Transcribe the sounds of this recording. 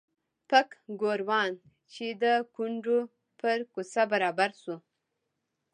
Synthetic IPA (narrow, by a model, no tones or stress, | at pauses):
pakɡoɾwɑn | t͡ʃed̪əkuɳɖo | pəɾkusabaɾɑbaɾsu